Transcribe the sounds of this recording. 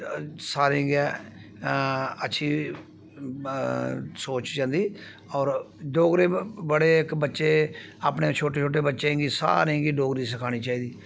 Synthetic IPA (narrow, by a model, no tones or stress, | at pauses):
saːɾẽɡɛː | ətːʃʰiː | soːt͡ʃd͡ʒãːnd̪iː | ɔːɾ | ɖoːɡɾeːbəɽeːɪkbətːʃeːaːpneːt͡ʃʰoːʈeːt͡ʃʰoːʈ̬eːbətːʃeŋɡiːsa̰ːɾẽɡiːɖoːɡɾiːs̬əkʰaːɽ̃iːt͡ʃaːiːd̪iː